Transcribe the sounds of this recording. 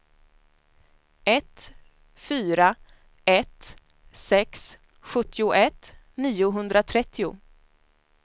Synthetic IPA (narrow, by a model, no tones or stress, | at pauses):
ɛt̪ | fyːɾa | ɛt̪ | sɛks | ɧɵt̪ʰːɪʊʔɛt̪ | niːʊɦɵnd̪ɾat̪ʰɾɛt̪ʰːɪʊ̰